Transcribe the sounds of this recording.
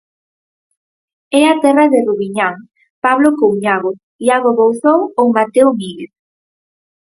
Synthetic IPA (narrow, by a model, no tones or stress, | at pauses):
ɛat̪ɛraðeruβiɲaŋ | paβlokowɲaɣo | iaɣoβowθowowmat̪eomiɣeθ